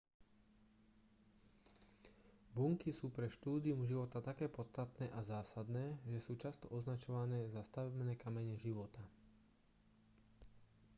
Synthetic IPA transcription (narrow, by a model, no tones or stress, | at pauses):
buŋkisuːpɾɛʃt̪uːd̪iumʒiʋɔt̪at̪akɛːpɔt̪t͡st̪at̪nɛːʔazaːsad̪nɛːʒɛsuːt͡ʃast̪ɔʔɔznat͡ʃɔʋanɛːzast̪aʋɛbnɛːkamɛɲɛʒiʋɔt̪a